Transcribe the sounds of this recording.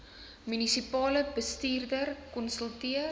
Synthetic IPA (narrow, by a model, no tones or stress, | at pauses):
mynisipɑːləbəstiːrdərkɔnsəlˠtiə